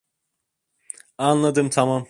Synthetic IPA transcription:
anlˠad̪ɯmt̪ʰamam

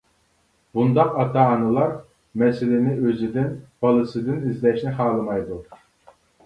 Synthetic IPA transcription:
bund̪ɑqɑt̪ʰɑːnɨlˠɑɾ | mɛsɪlɪnɪøzɪd̪ɪnb̥ɑlˠɨsɨd̪ɪnizlɛʃnɪχɑːlˠɨmɑjd̪u

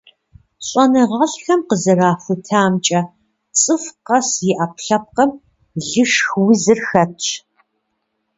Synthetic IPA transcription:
ɕʼɔnɨʁɐɮxɐmqəzɨraːfɨtʰaːmt͡ʃʼɐ | t͡sʼɨfqɐsjɪʔapɬɐp̚qɐm | ɮɨʂxwʊzɨrxɐt

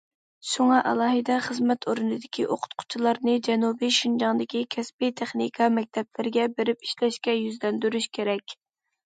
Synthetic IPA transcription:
ʃuŋɑʔɛ̰lˠɑːɦɨd̪ɛχəzmɛt̪ʰoɾunɨd̪ɪkʲʰiʔoqʰʊ̥t̪̚qʰʊ̥t͡ʃʰilˠɑɾnɨd͡ʒɛnubijʃund͡ʒɑŋd̪ɪkʲikʲʰɛsbit̪ʰeχnikʰɑmɛk̚ʲt̪ʰɛblɪɾɪɡʲɛbeɾɪpi̥ʃlɛʃkʲɛjyzlɛnd̪yɾyʃkʲʰeɾɛkʲ

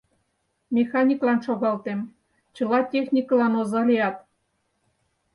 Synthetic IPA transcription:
mʲexɑnʲiklɑnʃoɣɑlt̪em | t͡ɕɤ̆lɑtʲexnʲiklɑnozɑlʲejɑt̪

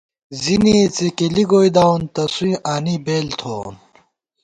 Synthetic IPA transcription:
zinit͡sekeliɡojd̪awnt̪ɐsuĩʔaːnibeːlt̪ʰoːn

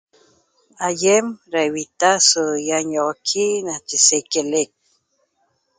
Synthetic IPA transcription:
ajemɾaewit̪asəjaɲokʰinat͡ʃisekelek̚

